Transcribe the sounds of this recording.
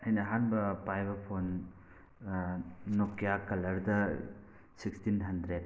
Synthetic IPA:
ɐjnɐɦanbɐpajbɐpʰon | okːjakɐlɐɾd̪ɐ | sikstinɦɐnd̪ɾe

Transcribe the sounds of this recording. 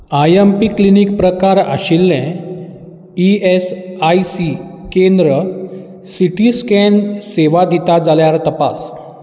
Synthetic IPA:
ajempiklinikpɾəkaɾa̰ɕilːɛ̃ | iesajsikend̪ɾə | siʈiskɛnseʋad̪ʱit̪ad͡zaljaɾt̪əpa̰s

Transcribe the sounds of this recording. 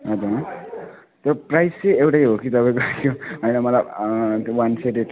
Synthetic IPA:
ɦʌd͡zuɾ | t̪oprajseewʈajɦokit̪ʌpãĩkoakjoɦʌjnʌmʌlajt̪owanseʈeʈ

